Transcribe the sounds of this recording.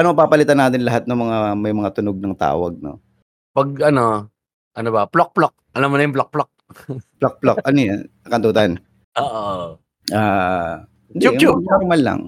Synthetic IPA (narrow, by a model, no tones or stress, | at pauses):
ɐnopaːpɐlɪt̪anaːt̪ɪnlɐɦat̪̚nɐŋmɐŋamɐjmɐŋat̪ʊnoɡ̚nɐŋt̪a̰ːwɐ̰ɡ̚no̞̰ | pɐɡ̚ɐno | ʔɐnobɐplok̚plok̚ʔɐlamːonɐjʊŋplok̚plok̚plok̚plokʔɐnojanɐkɐnt̪uːt̪an | ʔoːʔoo | aː | nd̪ujunoɾmalːa̰ŋ